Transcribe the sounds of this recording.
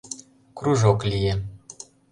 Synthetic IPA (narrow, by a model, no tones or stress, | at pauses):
kruʒoklʲije